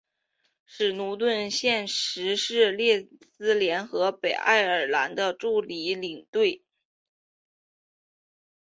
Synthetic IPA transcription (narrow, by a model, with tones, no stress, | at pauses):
ʂɻ̩˨˩nu˧˥t̪̬wə˥˧nɕjɛ˥˩nʂɻ̩˧˥ʂɻ̩˥˧ljɛ˥˧sɹ̩˥ljɛ˧˥nxɤ˧˥pe˨˩ɪʔa̰˥˩ɪə˞˨˩la̰˧˥nd̪ə˧ʈ͡ʂu˥˩li˧˥li˨˩ŋt̪we˥˩ɪ